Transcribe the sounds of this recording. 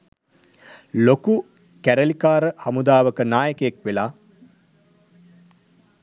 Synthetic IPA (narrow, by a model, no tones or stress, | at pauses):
loku | kæɾəlikaːɾəhamud̪aːʋəkənaːjəkəjekʋelaː